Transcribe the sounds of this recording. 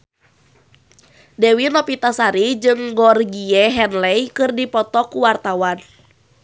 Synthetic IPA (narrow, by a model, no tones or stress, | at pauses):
dɛwinɔpit̪asaɾid͡ʒɨŋɡɔrɡiɛɦɛnlɛjkɨrdipɔt̪ɔkuwart̪awan